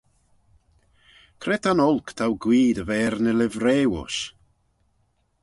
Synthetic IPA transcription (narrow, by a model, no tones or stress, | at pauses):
kʰrɛtʰanɔlˠkʰtʰawɡwiːdəvɛrnəlɪvreːwʊ̰s